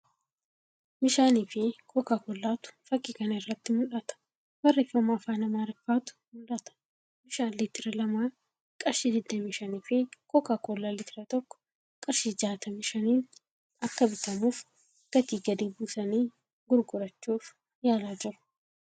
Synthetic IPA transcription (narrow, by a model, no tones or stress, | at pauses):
mɪʃaːniːfɪkʰɔkːaːkɔlːaːt̪ʊ̥fɐkʼːikɐnɐɪrːɐt̪ːɪmʊᶑɐt̪ɐ̥ | bɐrːɛfːɐmaːfaːnɐmaːɾɪfaːt̪ʊ̥mʊlᶑɐt̪ɐ̥ | mɪʃaːlɪt̪ːɪɾɛlɐmaː | kʼɐɾʃɪd̪ɪd̪ːɐmɪʃɐniːfɪkɔkːaːkɔlːalɪt̪ɪɾɐt̪ɔkːɔ̥ | kʼɐɾʃiːd͡ʒaːt̪ɐmɪʃɐniːn | ɐkːɐbɪt̪ɐmuːf | ɡ̥ɐt̪iːɡɐd̪iːbuːsɐniː | ɡʊɾɡʊɾɐt͡ʃːuːf | jaːlaːd͡ʒɪɾʊ̥